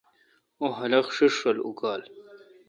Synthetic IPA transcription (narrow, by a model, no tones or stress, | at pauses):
oɦɐlɐxʂiʂʂɐlṵkaːl